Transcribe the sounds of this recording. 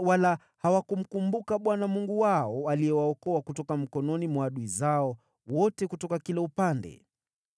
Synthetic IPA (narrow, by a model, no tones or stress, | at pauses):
wala | hawakum̩kumbukaɓwanamuŋɡuwaɔalijɛwaɔkɔakutɔkam̩kɔnɔnimwaɗuizaɔ | wɔtɛkutɔkakilɛupandɛ̰